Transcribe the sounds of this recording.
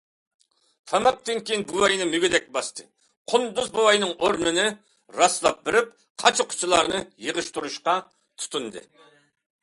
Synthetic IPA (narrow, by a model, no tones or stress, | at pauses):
fʰɛmɑk̚t̪ʰɪŋkʲinbuwɑjnɨmyɡʲid̪ɛk̚ʲbɑst̪ʰɨ | qʰʊnd̪uzbuwɑjnɨŋoɾnɨnɨ | ɾɑslˠɑ̰p̚bɪɾɪp̚ | qʰɑt͡ʃʰɪqʰʊ̥t͡ʃʰilˠɑɾnɨjəʁɨʃt̪uɾuʃqɑ | t̪ʰu̥t̪ʰund̪ɨ̰